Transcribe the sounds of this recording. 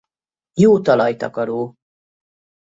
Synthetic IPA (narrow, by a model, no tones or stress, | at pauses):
joːt̪ɒlɒjt̪ɒ̰kɒɾoː